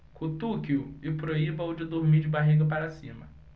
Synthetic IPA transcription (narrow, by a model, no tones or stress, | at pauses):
kut̪ukiʊɪpɾoibɐwd͡ʒɪd̪oɾmid͡ʒɪbaɦiɡɐpaɾasĩmɐ